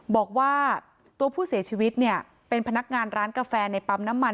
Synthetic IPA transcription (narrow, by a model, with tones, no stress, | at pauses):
bɔː˨˩k̚waː˥˩ | t̪u˧ɐpʰuː˥˩si˩˦t͡ɕʰiː˧wi˦˥t̪̚ni˥˩ɐ | pe˧npʰa˧na˦˥k̚ŋaː˧nɾaː˦˥nka˧fɛː˧na˧jpa˧mna˦˥mːa˧